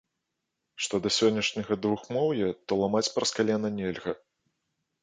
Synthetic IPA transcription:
ʂt̪ɔd̪ɐsʲɔnʲːɐʂnʲɐɣɐd̪vuxmɔwjɛt̪ɔlˠamat͡sʲpɾɐskalʲɛnɐnʲɛlʲɣɐ

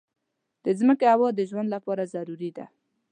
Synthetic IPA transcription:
d̪̥əzməkeawəd̪əʒwand̪lapɑɾazaɾuɾid̪a̰

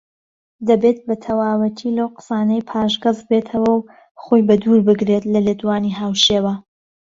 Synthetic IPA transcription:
d̪ɐbet̪̚bɐt̪ʰɐwaːwɐt̪ʰilɐwqə̥saːnɐjpʰaːʒɡɨzbet̪ʰɐwɐw | χojbɐd̪uɾbɨɡɾe̞t̪lɐleːd̪waːniɦaːwʃeːwɐ

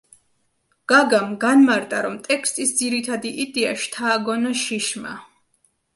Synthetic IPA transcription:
ɡ̥aɡamɡanmaɾt̪ʼa̰ɾɔmt̪ʼɛkʰst̪ʼisd̪ziɾit̪ʰad̪iʔid̪ɛaʃt̪ʰaːɡɔnaʃiʃma̰

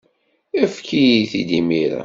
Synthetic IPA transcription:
əfkijiθid̪imiɾæ̰

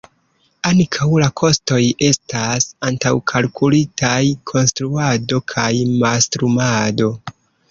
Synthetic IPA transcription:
aŋkʰawlakʰo̞sto̞je̞stasantawkʰalkʰulitʰajkʰo̞nstɾuado̞kʰajmastɾumado̞

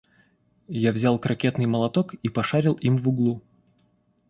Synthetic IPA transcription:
javzʲalˠkɾɐkʲe̞t̪nɨjməlˠɐt̪okipɐʂaɾʲɪlˠimvʊɡlˠu

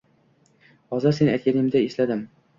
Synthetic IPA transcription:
hɒzɨɾse̞na̰t̪kʲanɪmd̪aeslad̪ɪm

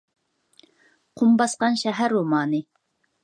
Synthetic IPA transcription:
qʰumbɑsqɑnʃɛɦæɾomɑːnɨ

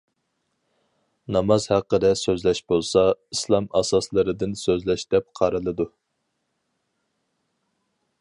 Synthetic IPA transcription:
nɑmɑzhæqːəd̪ɛsøzlɛʃbolˠsɑislˠɑmɑsɑslˠɨɾɨd̪ɨnsøzlɛʃd̪̥ɛp̚qʰɑɾɨlˠɨd̪u

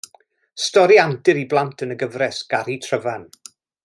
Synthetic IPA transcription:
stɔɾiantɪɾiblˠantʰənəɡəvrɛsɡ̥aɾitʰrəvan

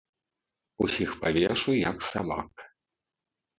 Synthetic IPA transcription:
usʲixpavʲɛʂujɐksa̰ba̰k

